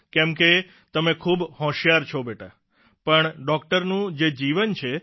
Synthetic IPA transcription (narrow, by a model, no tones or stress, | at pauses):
kɛmke | t̪əmekʰuːbhɔ̃ʃjaɾt͡ʃʰobeʈa | pəɳɖɔkʈəɾnũd͡ʒed͡ʒiʋənt͡ʃʰe